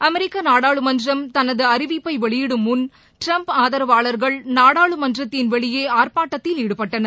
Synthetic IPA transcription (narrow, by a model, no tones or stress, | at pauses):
ɐmɛɾɪkːanaːɽaːɭɯmɐnd̪rɐmt̪ɐnɐðɯɐɾɪʋipːɐɪʋɛɭɪjɽɯmʊn | ʈɾɐmpaːðɐɾɐʋaːɭɐɾɣɐɭnaːɽaːɭɯmɐnd̪ɪrɐt̪ːɪnʋɛɭɪjeːaːrpaːʈːɐt̪ːɪliːɽɯpːɐʈːɐnɐ